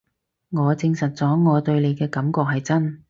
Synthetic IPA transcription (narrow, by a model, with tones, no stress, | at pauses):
ŋɔː˨˧t͡sɪ˧ŋsɐ˨t̚t͡sɔː˨˥ŋɔː˨˧t̪ɵ˧ɥle˨˧jkɛː˧kɐ˨˥mkɔː˧k̚hɐ˨jt͡sɐ˥n